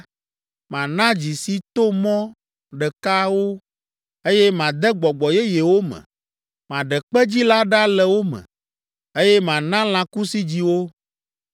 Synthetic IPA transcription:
mã˨nã˦d͡ʑi˨si˦t̪o˦mɔ̃˦ | ɖɛ˨ka˦wo˦ | e˦jɛ˦mã˨d̪ɛ˦ɡ͡bɔ˨ɡ͡bɔ˨jɛ˦je˨wo˦mɛ̰̃˨ | mã˨ɖɛ˨k͡pɛ˦d͡ʑi˦la˦ɖa˦lɛ˨wo˦mɛ̰̃˨ | e˦jɛ˦mã˨nã˦l̃ã˦ku˦si˦d͡ʑi˦wo˦

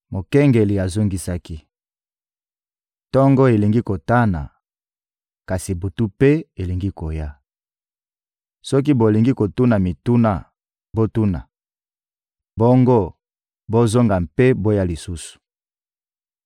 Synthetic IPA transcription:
mo˨kɛ˦ŋɡe˨li˨a˨zo˦ŋɡi˦sa˦ki˦ | tɔ˦ŋɡo˦e˨li˨ŋɡi˦ko˨ta˦na̰˨ | ka˨si˨bo˨tu˦pe˦e˨li˨ŋɡi˦ko˨ja˦ | sɔ˦k̬i˦bo˨li˨ŋɡi˦ko˨tu˦na˨mi˨tu˦na˦ | bo˦tu˦na̰˨ | bo˦ŋɡo˦ | bo˦zo˦ŋɡa˨mpe˦bo˦ja˦li˨su˦su̥˨

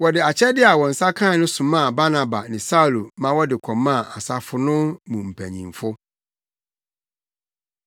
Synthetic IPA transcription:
wɔ˨dɪ˨a˨t͡ɕʰɛ˦dɪ˦a˨wɔ˨n̩˨sa˦kʰã˦˨˦nʊ̃˦sʊ̃˨mã˦˨ba˦nã˨ba̰˨nɪ̃˨sa˦u˨lu˨mã˦wɔ˦dɪ˨kʰɔ̃˨mːã˦˨a˨sa˦fʊ˨nʊ̃˦mũ˨m̩˨pʰæ̰˨ɲḭ̃˨mfʊ˦

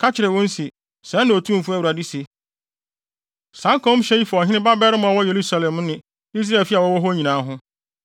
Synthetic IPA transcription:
kʰa˦t͡ɕʰɪ˨ɾɛ˨wɔ̃˦n̩˦si˨ | sɛ̃˦nã˨o˨tʰũ˦m˨fʊ˦æ˦˨u˨ɾa˨di˦si˨ | sã˨˦ŋ˦kʰɔ̃˦m˦ɕɛ˦ji˦fɔ˨ɔ˨ɦɪ̃˦ɪ̃˦ba˦bɛ˦ɾmʊ̃˨a˨wɔ˦je˨ɾu˦sa˨lɛ̃˨m˦nɪ̃˨ | i˦s̬ɾa˦e˨fi˦a˨wɔ˦wɔ˦ɦɔ˦ɲĩ˨nãː˨˦ɦʊ̃˦

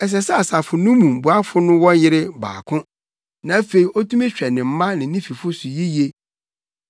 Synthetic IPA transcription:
ɛ˨s̬ɛ˨sɛ˦a˨sa˨fʊ˨nʊ̃˦mũ˨m˨bu˨a˦fʊ˦nʊ̃˦wɔ̃˦jɪ˦ɾɪ˦ba̰ː˨kʰʊ̃˦ | nã˨˦fe˨i˨ʔɔ˦tʰũ˦mɪ̃˦ɕᶣɛ˨nɪ̃˨m̩˦mã˦nɪ̃˨nĩ˦fi˨fʊ˦sʊ˨ji˦je˦

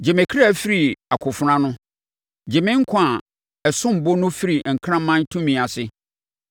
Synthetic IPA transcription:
d͡ʑɛ˨mẽ˨kʰɾa˦˨fi˦ɾi˨a˨kʰʊ˨fʊ˨ɾã˦nʊ̃˦ | d͡ʑɛ˨mɪ̃˦ŋ̩˦kʰʊ̃˨˦a˨ | ɛ˨sʊ̃˦m̩˨bo˦nʊ̃˦fi˦ɾi˨ŋ̩˨kʰɾã˦mːã˦n˦tʰũ˦mĩ˨a˨sɪ˦

